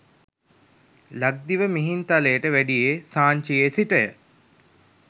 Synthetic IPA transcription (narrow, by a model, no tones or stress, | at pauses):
laɡ̚d̪iʋəmiɦint̪alejəʈəʋæɖijeːsaːɲt͡ʃijesiʈəjə